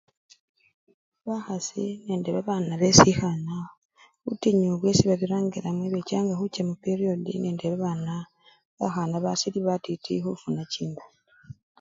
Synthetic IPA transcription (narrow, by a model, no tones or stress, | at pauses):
βaxasḭne̞ːndeβaβanaβesixana | utiɲuβwesiβaβiɾaːŋɡiɾamweβecaːŋɡaxucamupeɾio̞dḭneːndeβaβana | βaxanaβasiliβatitʰḭxufunaciːndu̥